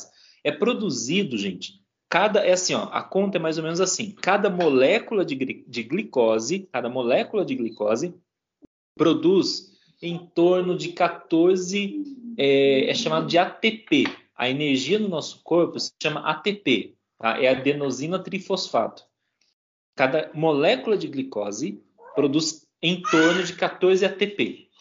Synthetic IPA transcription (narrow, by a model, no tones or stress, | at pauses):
ɛpɾod̪uzid̪ʊʒẽnt͡ʃɪ̥ | kad̪ɐʔɛasĩɔ̰ʔɐ̰kõnt̪ɐɛmajzomẽnʊzasĩkad̪ɐmolɛkulɐd͡ʒɪɡɾid͡ʒɪɡlikɔzɪkad̪ɐmolɛkulɐd͡ʒɪɡlikɔzɪ | pɾod̪us | ẽj̃t̪oɾnʊd͡ʒɪkat̪oɾzɪɛɛ̰ʃamad̪ʊd͡ʒɪat̪epe | ɐ̰eneɾʒiɐnʊnɔsʊ̥koɾpʊsɪ̥ʃɐ̃mɐʔat̪epe | t̪a̰ʔɛɐd̪enozĩnɐt̪ɾifosfa̰t̪ʊ̥ | kad̪ɐmolɛkulɐd͡ʒɪɡlikɔzɪ | pɾod̪us | ẽj̃t̪oɾnʊd͡ʒɪkat̪oɾzɪat̪epe